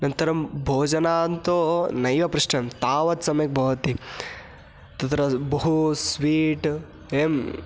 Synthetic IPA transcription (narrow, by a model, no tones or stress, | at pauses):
nɐnt̪ɐɾɐmbʱoːd͡ʒɐnaːnt̪onɐjʋɐpɾuʂʈɐmt̪aːʋɐt̪sɐmjɐk̚bʱɐʋɐt̪i | t̪ɐt̪ɾɐbɐɦusʋiːʈ | eːm